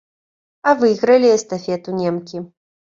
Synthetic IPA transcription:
ɐvɨjɣɾɐlʲiɛst̪afʲɛt̪unʲɛmkʲi

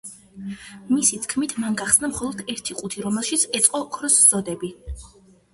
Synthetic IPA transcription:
misit̪ʰkʰmit̪ʰmanɡaχsnamχɔlˠɔd̪̥ɛɾt̪ʰiqʼut̪ʰiɾɔmɛlˠʃit̪sʰɛt̪sʼqʼɔkʰɾɔsz̥ɔd̪ɛbi

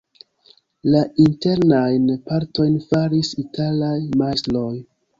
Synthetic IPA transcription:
lainte̞ɾnajnpaɾto̞jnfaɾisitʰalajmaslo̞j

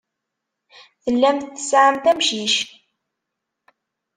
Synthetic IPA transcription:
θəlːæmθθə̥sʕəmt̪æmʃiʃ

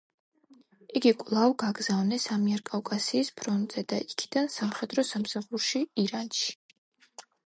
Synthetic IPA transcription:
iɡikʼlˠavɡaɡzavnɛsamiɛɾkʼawkʼasiːspʰɾɔnt̪ʼz̥ɛd̪aʔikʰid̪̥ansamχɛd̪ɾɔsamsaχuɾʃiiɾanʃi̥

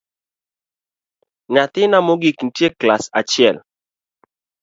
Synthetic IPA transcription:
ɲat̪ɪnamoɡikn̩tjeklasa̰t͡ʃɪɛl

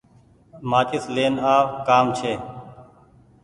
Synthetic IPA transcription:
maːt͡ʃɪsleːnaːʋkaːmt͡ʃʰeː

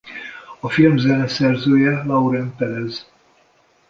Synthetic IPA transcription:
ɒfilmzɛnɛsɛrzøːjɛlɒuɾɛnpɛlɛz

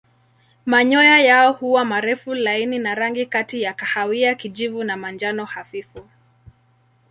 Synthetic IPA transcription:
maɲɔjajaɔhuwamaɾɛfulaininaɾaŋɡikatijakahawiakid͡ʒivunamand͡ʒanɔhafifu

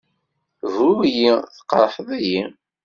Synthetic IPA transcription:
vɾujiθqːɾˤħəðæji

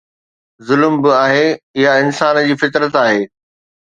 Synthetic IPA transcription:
zʊlmbɪaːɦeɪɦaɪnsaːnd͡ʑiːfɪt̪ɾət̪aːɦeː

